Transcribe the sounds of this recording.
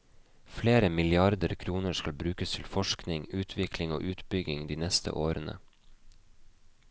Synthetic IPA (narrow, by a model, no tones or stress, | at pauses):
fleːɾəmɪlɪɑɾd̪əɾkʰɾuːnəʃkɑlbɾʉːkəst̪ʰɪlfɔʃknɪŋʉːt̪ʰʋɪkʰlɪŋo̰ːʔʉːt̪bʏɡɪŋd̪iːnɛst̪ʰə̰ʔoːɾənə̰